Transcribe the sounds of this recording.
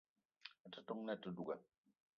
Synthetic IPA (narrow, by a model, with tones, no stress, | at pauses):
a˨tɨ˦tɔ˦ŋnɛ˦˨tɨ˦du˦˨ɡɛ˨